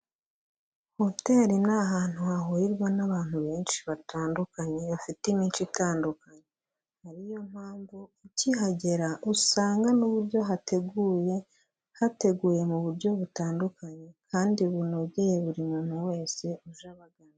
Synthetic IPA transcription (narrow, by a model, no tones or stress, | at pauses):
ho̞te̞ːɾinaɦaːn̥huhaɦuiɾɡwanaβaːn̥huβeːnʃi̥βataːndukaɲe̞βafitimiːnt͡ʃitaːndukaɲe | haɾijo̞m̥haːɱvuicihaɟe̞ɾaʔusaːŋɡanuβuɾɟo̞ɦate̞ɡuje | hate̞ɡuːje̞muβuɾɟo̞βutaːndukaɲe̞kʰaːndiβuno̞ɡejeβuɾimunuwe̞ːse̞uʒaβaɡana